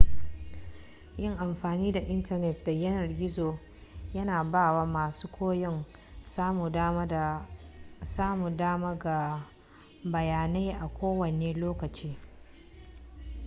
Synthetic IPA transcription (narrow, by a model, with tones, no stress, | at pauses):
jɪ˦˨ŋʔa˨mɸaː˨niː˦da˨ʔɪ˦ntɐ˦˨nɛ˨t̚da˨jɐ˦nɐ˨rɡʲɪ˦zoː˨ | jɐ˦naː˨baː˦˨waː˦maː˨suː˦kʷoː˦jɔ˦ŋ | saː˦mu˨daː˦ma˦da˨ | saː˦mu˨daː˦ma˦ɡa˨ | bɐ˨jaː˨na˦jʔa˨kʷoː˦wɐ˨neː˦loː˦kɐ˨t͡ʃiː˦